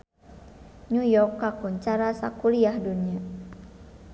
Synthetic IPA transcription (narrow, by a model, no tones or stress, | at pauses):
ɲujɔkːakuɲt͡ʃaɾasa̰kuɾiahdunia